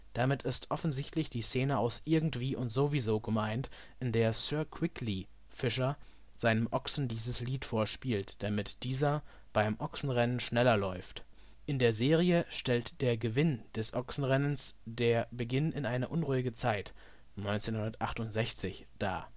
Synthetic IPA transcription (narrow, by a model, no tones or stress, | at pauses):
d̥amɪtɪstʔɔfn̩zɪçtlɪçd̥iːseːnəaʊsʔɪɐɡŋ̩tv̥iːʔʊntz̥ovizoːɡəmaɪnt | ʔɪndeːɐsœɐkʰw̥ɪkli | fɪʃɐ | z̥aɪnəmʔɔksn̩diːzəsliːtfoːɐʃpiːltd̥amɪtd̥iːzɐ | b̥aɪmʔɔksn̩ʁɛnənʃnɛlɐlɔʏft | ʔɪndeːɐzeːʁiəʃtɛltd̥eːɐɡəvɪnd̥ɛsʔɔksn̩ʁɛnənsd̥eːɐbəɡɪnɪnʔaɪnəʔʊnʁuːɪɡət͡saɪt | nɔʏnt͡seːnhʊndɐtʔaχtʊntz̥ɛçt͡sɪç | d̥a̰ː